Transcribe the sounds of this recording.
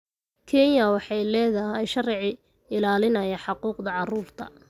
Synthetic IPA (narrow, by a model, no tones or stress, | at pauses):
kʰɛnjɐwɑħɑjlɛːðɐɦɛjʃɐrʕɪ | ɪlaːlɪnɐjɐħɑquːqd̪ɐʕɑruːrt̪ʰɐ